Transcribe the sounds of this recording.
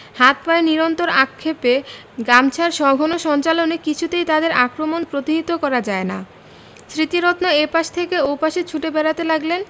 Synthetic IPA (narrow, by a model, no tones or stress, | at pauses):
hat̪̚paeniɾont̪oɾakʰːepe | ɡɾamt͡ɕʰaɾʃɔɡʱɔnoʃɔnt͡ɕalonekit͡ɕʰut̪ejt̪ad̪eɾakɾomonpɾot̪iɦit̪okɔɾad͡ʑaena̰ | sɾit̪iɾot̪noepaʃt̪ʰekeopaʃet͡ɕʰuʈebɛɾat̪elaɡlen